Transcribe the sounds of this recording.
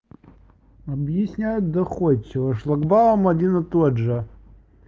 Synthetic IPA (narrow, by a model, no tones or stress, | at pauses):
ɐbjɪsʲnʲæjʊt̪̚d̪ɐxot͡ɕːɪvəʂlˠɐɡbawəmɐdʲinɨt̪odʐɨ